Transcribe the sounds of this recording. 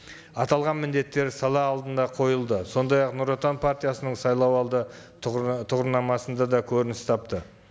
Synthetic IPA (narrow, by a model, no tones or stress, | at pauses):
ɑt̪ɑlˠʁɑnmɪnd̪e̞t̪ːe̞ɾsɑlˠɑːlˠd̪ənd̪ɑqʰo̞jəlˠd̪əso̞nd̪ɑjɑqnuɾot̪anpʰart̪ijasənəɴsɑjlˠɑwɑlˠd̪ə | t̪ʰʊʁəɾnɑmɑsənd̪ɑd̪ɑkʲʰɵɾɪnɪst̪ʰɑp̚t̪ə